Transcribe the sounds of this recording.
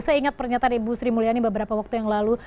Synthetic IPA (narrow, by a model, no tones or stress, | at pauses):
saiŋat̪̚pərɲat̪anibusɾimulianibəbəɾapawak̚t̪ujaŋlalu